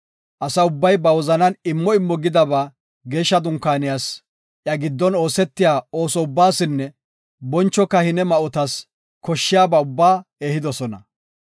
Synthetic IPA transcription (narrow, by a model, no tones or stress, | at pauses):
ʔɐsɐʊbːɐjbɐwɔzɐnɐnɪmːɔɪmːɔɡɪd̪ɐbaː | ɡe̞ːʃːɐd̪ʊŋkːaːnɪjaːs | ʔjɐɡɪd̪ːɔno̞ːsɛt̪ːɪjaːo̞ːsɔʊbːaːsɪnːɛ | bɔnt͡ʃːɔkːɐhɪnɛmɐʔɔt̪ɐs | kɔʃːɪjaːbaʊbːaːeːhɪd̪ɔsɔnɐ̰